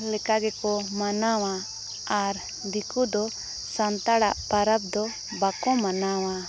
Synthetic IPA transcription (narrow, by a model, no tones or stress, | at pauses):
lɛkaɡɛkɔmanawa | aɾ | d̪ikud̪ɔ | sant̪aɽaʔpaɾab̚d̪ɔ | bakɔmanawa